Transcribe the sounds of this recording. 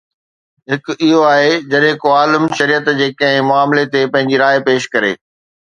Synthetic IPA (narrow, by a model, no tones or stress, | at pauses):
ɦɪkɪɦoaːɦed͡ʑɐɗɦɪkoaːlɪmʃɐɾijət̪d͡ʑeːkɐ̃ɦɪ̃mʊaːmlet̪epɐ̃ɦɪ̃ɲd͡ʑiɾaːepeːʃkɐɾḛː